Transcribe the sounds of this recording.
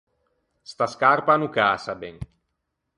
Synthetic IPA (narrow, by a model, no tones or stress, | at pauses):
st̪askarpanukaːsabɛŋ